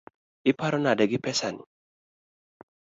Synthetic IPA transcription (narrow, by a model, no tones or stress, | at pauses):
ɪpaɾɔnadɛɡɪpɛsanḭ